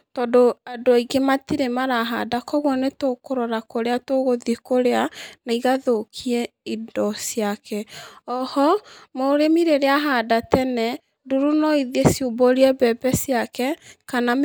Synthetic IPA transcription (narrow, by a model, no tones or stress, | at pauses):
tɔdoadoaiɡematiɾemaɾaɦadakɔɣwɔnetokoɾɔɾakoɾeatoɣoðikoɾeanaiɣaðokʰiɛidɔsiakʰɛɔhɔmoɾemiɾeɾeaɦadatɛnɛ | duɾunɔiðesioboɾiɛbɛbɛsjakɛkana